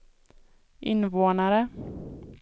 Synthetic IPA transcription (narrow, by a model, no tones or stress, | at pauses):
ʔɪnvoːnaɾə